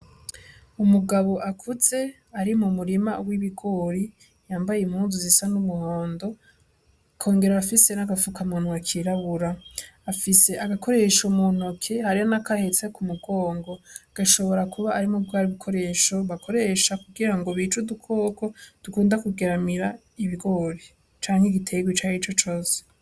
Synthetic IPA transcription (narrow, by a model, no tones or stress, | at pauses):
umuɡaβo̞ʔakʰuz̥e̞ | aɾimumuɾimawiβiɡo̞ːɾi | jaːmbajemhuːnzuzisanumuho̞ːndo̞ | kʰo̞ːŋɡe̞ɾaβafise̞naɡafukamonwakʰiɾaβuɾaːfise̞ʔaɡako̞ɾe̞ʃomon̥okʰe̞haɾihonakahe̞t͡sekumuɡ̥o̞ːŋɡo̞ɡ̥aʃo̞βo̞ɾakʰuβaːɾimobɡaaɾiβikʰo̞ɾe̞ːʃo̞βako̞ɾe̞ʃakuɡiɾaŋɡo̞βit͡ʃudukʰo̞ːkʰod̥ukuːndakuɡeɾamiɾa | iβiɡo̞ːɾi | t͡ʃaːŋ̥eɡitʰe̞ɡwit͡ʃaːhit͡ʃo̞t͡ʃo̞ːse̥